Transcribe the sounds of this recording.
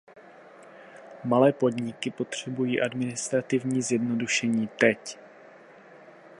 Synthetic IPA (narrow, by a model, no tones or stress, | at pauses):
malɛːpo̞dɲɪkɪpo̞t̪r̝̥ɛbujiːʔadmɪnɪst̪ɾat̪ɪvɲiːzjɛdno̞duʃɛɲiːt̪ɛc